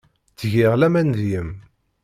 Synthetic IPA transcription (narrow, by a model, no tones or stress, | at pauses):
t͡sʝɪʁlæmænðjəm